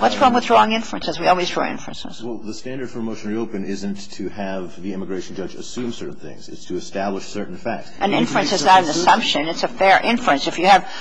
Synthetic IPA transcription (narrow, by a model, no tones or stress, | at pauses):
wʌtsɹ̥ʌ̃wəðdɹɔɪ̃ŋɪ̃ɱfɹɨ̃nsɨzwiɔlˠwizdɹɔ̰ɪ̰̃ɱfɹə̰ɨ̰̃nsɨ̰̃z̥wɛlˠðəstæ̃ndə˞d̥fə˞moʊʃn̩ɹioʊpɨ̃nɪzɨ̃ntʰɨɨvðiɪ̃məɡɹeɪʃn̩d͡ʒʌd͡ʒɨ̰sʉ̃msɜ˞ʔn̩θɪ̰̃ŋz̥ɨ̰tstʰɨːstæbləʃsɜ˞ʔn̩fæk̚tsʔɨ̃nɪ̰̃ɱfɹɹɨ̃nsɨznəɾɨ̃n̩ɨsʌ̃mpʃɨ̃nɨtsɨfɛɹʔɪ̃ɱfuɨ̃nsɨfjɨːv